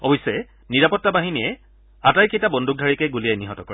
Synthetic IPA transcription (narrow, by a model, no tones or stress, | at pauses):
ɔbɔjsːɛɛ | niɹapɔtːabaɦiniɛ | atajkejtabɔndʱuk̚dʱaɹikɛɡulijajniɦɔtɔkɔɹɛ